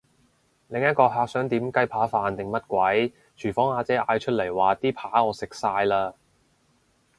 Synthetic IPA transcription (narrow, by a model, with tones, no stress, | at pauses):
lɪ˨ŋjɐ˥t̚kɔː˧ɦaː˧k̚sœː˨˥ŋt̪iː˨˥mkɐ˥jpʰaː˨˥faː˨˧nt̪ɪ˨ŋmɐ˥t̚kʷɐ˨˥j | t͡ʃʰyː˨˩fɔː˨˥ŋaː˨˧t͡sɛː˨˥ʔaː˧jt͡ʃʰɵ˥t̚lɐ˨˩jwaː˨˩t̪iː˥pʰaː˨˥ɔː˨˧sɪ˨k̚saː˧jlaː˥